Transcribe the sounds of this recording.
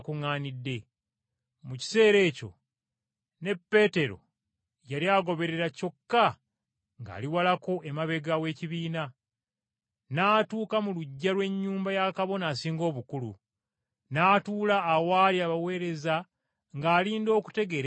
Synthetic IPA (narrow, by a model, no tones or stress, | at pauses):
kuŋaːnidːe̞ | muci̥se̞ːɾe̞ːco̞̰ | ne̞pːe̞ːte̞ɾo̞̰ | jaɾiaːɡo̞βe̞ɾe̞ɾaco̞kːa | ŋɡa̰ːliwalako̞ʔemaβe̞ɡawe̞ːciβiːna | naːtuːkamuluɟːalwe̞ɲːuːmbajakaβo̞naːsiːŋɡo̞ːβukulṵ | naːtuːlaːwaːliaβawe̞ːɾe̞za | ŋɡaːliːndo̞ːku̥te̞ɡe̞ɾ